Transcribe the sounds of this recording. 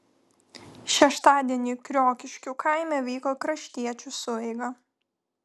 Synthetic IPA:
ʃʲɛʃt̪ɑːd̪ʲiɛnʲikɾʲoːkʲɪʃʲkʲukaˑɪmʲɛʋʲɛːkoːkɾɐʃʲt̪ʲiɛt͡ʃʲʊsʊɛɪɡɐ

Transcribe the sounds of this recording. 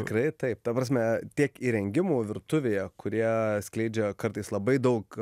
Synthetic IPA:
tʲɪkɾɐɪt̪ɐɪp̚t̪ɐpɾɐːs̬ʲmʲɛt̪ʲiɛkiːɾʲɛŋʲɡʲɪmoːʋʲɪɾt̪ʊʋʲeːjɛkʊɾʲiɛsʲklʲɛɪd͡ʒʲɛkɐɾt̪ɐɪslˠɐbɐɪd̪ɐʊk

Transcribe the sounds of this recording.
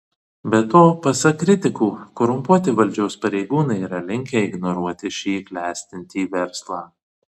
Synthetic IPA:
bʲɛt̪oːpɐsɐkɾʲɪt̪ʲɪkuːkɔɾʊmpuɔt̪ʲɪʋɐlʲd͡ʒʲɛʊspɐɾʲɛɪɡuːnɐɪiːɾɐlʲɪŋʲkʲɛɪɡnɔɾuɔt̪ʲɪʃʲiːklʲæːsʲt̪ʲɪnʲt̪ʲiːʋʲɛɾslˠɑː

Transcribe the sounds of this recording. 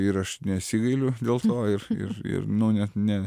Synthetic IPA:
ɪɾɐʃnʲɛtsʲiɡɐɪlʲʊd̪ʲeːlˠt̪oːɪrɪ̰ɾɪ̰ɾnʊnʲɛt̪nʲɛ

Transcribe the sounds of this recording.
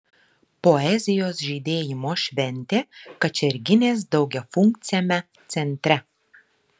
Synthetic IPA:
pɔɛzʲɪjoːsʒʲiːd̪ʲeːjɪmoːʃʲʋʲɛnʲt̪ʲeːkɐt͡ʃʲɛɾʲɡʲɪnʲeːs̬d̪ɒʊɡʲɛfʊŋk̚t̪sʲɪjɛmʲɛ | t̪sʲɛnʲt̪ʲɾʲɛ

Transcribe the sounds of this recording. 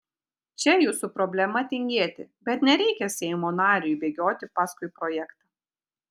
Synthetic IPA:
t͡ʃʲɛjuːsupɾɔbʲlʲɛmɐt̪ʲɪŋʲɡʲeːt̪ʲɪ̰bʲɛt̪nʲɛɾʲɛɪkʲɛsʲɛɪmoːnɑːɾʲɪjʊbʲeːɡʲoːt̪ʲɪpɑːskʊɪpɾɔjɛkt̪ɑ

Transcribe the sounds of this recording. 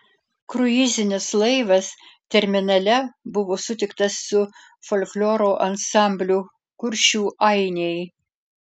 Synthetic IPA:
kɾʊɪzʲɪnʲɪslˠɐɪʋɐst̪ʲɛɾʲmʲɪnɐlʲɛbʊʋoːsʊt̪ʲɪk̚t̪ɐsːʊ | folʲklʲoːɾoːʔɐnsɑˑmʲbʲlʲuː | kʊɾʲʃʲuːʔɐɪnʲej

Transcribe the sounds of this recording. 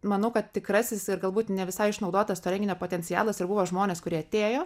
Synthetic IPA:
mɐnɐʊkɐt̪̚t̪ʲɪkɾɐsʲɪsɪɾɡɐlˠbuːt̪nʲɛʋʲɪsɐɪɪʃnɐʊd̪oːt̪ɐst̪oːɾʲɛŋɡʲɪnʲoːpoːt̪ʲɛnʲt͡ssʲɪjæ̰ːlˠɐsɪɾbuʋoːʒmoːnʲeːskʊɾʲiɛɐt̪ʲeːjoː

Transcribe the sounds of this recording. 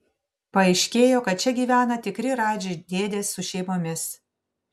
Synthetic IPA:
pɐɪʃʲkʲeːjoːkɐt̪̚t͡ʃʲɛɡʲiːʋʲæːnɐt̪ʲɪkɾʲɪɾɑːd͡ʒʲeɪd̪ʲeːd̪ʲeːsːʊʃʲɛɪmoːmʲɪs

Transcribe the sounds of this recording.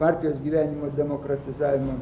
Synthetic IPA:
pɑˑɾʲt̪ʲɪjoːsɡʲiːʋʲæːnʲɪmoːd̪ʲɛmoːkɾɐt̪ʲɪzɑːʋʲɪmo

